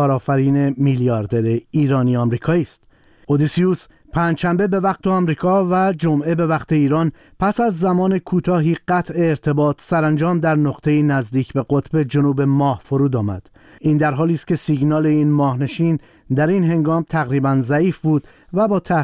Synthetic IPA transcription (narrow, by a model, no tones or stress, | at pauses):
ɒːɾɒːfæɾiːne̞milijɒɾd̪e̞ɾeiːɾɒːniːɒmɾiːkʰɒːiːst̪ | od̪isius | pʰæːnd͡ʒʃæmbe̞be̞væq̚t̪ʰe̞ɒmɾiːkʰɒːvæd͡ʒomʔe̞be̞væqt̪ʰe̞iːɾɒːn | pʰæsæzːæmɒːne̞kʰuːt̪ʰɒːɦiːɢæt̪ʰʔe̞ːɾt̪ʰe̞bɒːt̪ʰsæɾænd͡ʒɒːmd̪æɾnoqt̪ʰe̞iːnæzd̪iːcʰbe̞ɡot̪ʰbe̞d͡ʒo̞nuːbe̞mɒːhfoɾuːd̪ɒːmæ̰d̪̥ | iːnd̪æɾɦɒːliːst̪̚ce̞siɡnɒːle̞iːnmɒːhne̞ʃiːn | d̪æɾinɦe̞ŋɡɒːmt̪ʰæɣɾiːbænzæiːfbuːd̪̥ | væbɒːt̪ʰæ